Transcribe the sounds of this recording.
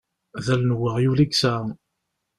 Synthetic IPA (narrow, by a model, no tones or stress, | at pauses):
ðælnwəʁjuliɡsa